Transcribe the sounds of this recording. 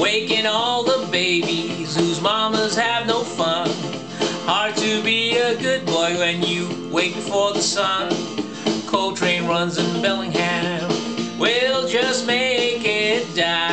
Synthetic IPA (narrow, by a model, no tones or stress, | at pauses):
weɪkɪ̃ŋɔlˠðəbeɪbiz̥huzmɑməz̥ɨvnoʊfʌ̃n | hɑɹd̚tʰɨbiɨɡʊd̚bɔɪwɨ̃njɨweɪk̚ɨfɔɹðəsʌ̃n | kʰoʊlˠtʰɹ̥ẽɪ̃nɹʌ̃nzɨ̃nbɛlˠɪ̃ŋhæ̃mwɪlˠd͡ʒʌs̚meɪkɪt̚d̥a